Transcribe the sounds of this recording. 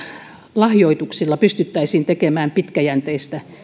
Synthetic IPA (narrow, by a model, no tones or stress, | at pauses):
lɑhjoit̪uksilːɑpyst̪yt̪ːæisiːnt̪ekemæːmpit̪kæjænt̪eist̪æ